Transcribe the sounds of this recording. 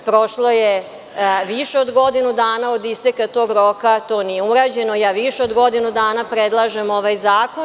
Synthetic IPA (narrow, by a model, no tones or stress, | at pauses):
pɾoʃloje | ʋiʃeod̪ɡo̞d̪inud̪aːnao̞d̪ist̪ekat̪o̞ːɡɾo̞ːkat̪o̞ːnijeuɾaːd͡ʑe̞no̞jaːʋiʃeod̪ɡo̞d̪inud̪aːnapɾed̪lˠaʒemoʋajzaːko̞n